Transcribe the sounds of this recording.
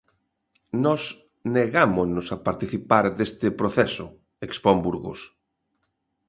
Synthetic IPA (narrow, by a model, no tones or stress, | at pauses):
nɔs | neɣamonosapaɾt̪iθipaɾd̪est̪ɪpɾoθɛsʊ | ekspombuɾɣo̰s